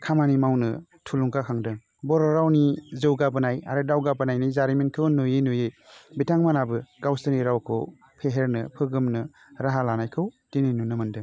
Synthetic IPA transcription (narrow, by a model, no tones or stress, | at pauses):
kʰamanimawnɯtʰuluŋkakʰaŋdɯŋ | bɔɾɔɾawnizɯwɡabɯnaja̰ɾɯdawɡabɯnajnajzaɾimenkʰɯwnojenujebitaŋmanabɯɡ̥awstɯniɾawkʰɯ̰w | pʰeɦeɾnɯ̰pʰɯɡɯmnɯ | ɾaɦalanajkʰɯwdininunɯmɯndɯŋ